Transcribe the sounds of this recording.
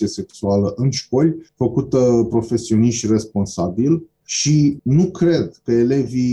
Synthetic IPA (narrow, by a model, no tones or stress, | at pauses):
iese̞ksualəʔɨnʃko̞lʲfəkut̪əpɾo̞fe̞sio̞niʃt̪ʲre̞spo̞nsabil | ʃinukɾe̞d̪kəe̞le̞vi